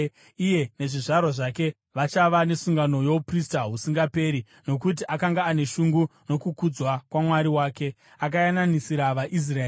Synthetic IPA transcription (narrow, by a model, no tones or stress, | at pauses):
ije̞ne̞ʐiʐarwaʐake̞ | ʋat͡ʃaʋane̞suŋɡano̞jo̞upristaɦusiŋɡape̞ːɾi | no̞kut̬iʔakaŋɡaːne̞ʃuŋɡuno̞kukud͡zwakwamwaɾiwaːke̞ | ak̬ajananisiɾaʋaʔis̬raeː